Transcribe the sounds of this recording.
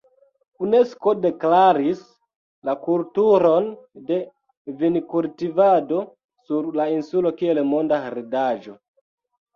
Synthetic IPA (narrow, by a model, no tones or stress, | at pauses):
une̞sko̞de̞klaɾis | lakultuɾonde̞ | vinkultivado̞ | suɾlainsulo̞kielmo̞ndaɾidaʒo